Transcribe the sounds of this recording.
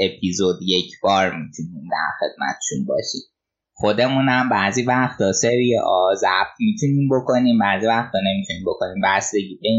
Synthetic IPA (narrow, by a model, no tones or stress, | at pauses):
epʰizod̪jecʰbɒːɾmit̪ʰuniːmd̪æ̰ɾxe̞d̪̥̚mæ̰t̪ʰe̥ʃʰunbɒ̰ːʃḭːd | xo̞d̪e̞mũnæmbæziːvæxt̪ʰɒːseɾiḛʔɒzæb̥̚t̪ʰmit̪ʰuniːmbokʰo̞niːmbæːziːvæxt̪ʰɒne̞mit̪ʰuniːmbo̞kʰo̞niːmbæsd̪e̞ɟiːbe